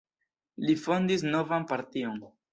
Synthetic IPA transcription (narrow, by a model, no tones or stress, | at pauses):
lifo̞ndis̬no̞vanpaɾtio̞n